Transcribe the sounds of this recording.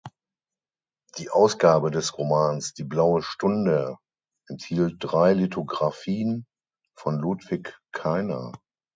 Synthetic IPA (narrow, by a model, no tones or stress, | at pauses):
d̥iːʔaʊsɡ̥aːbədɛsʁomaːnsd̥iːblaʊəʃtʊndə | ʔɛnthiːlt̚d̥ʁaɪlitʰoɡʁafiːən | fɔnlutv̥ɪkkʰːaɪnɐ̰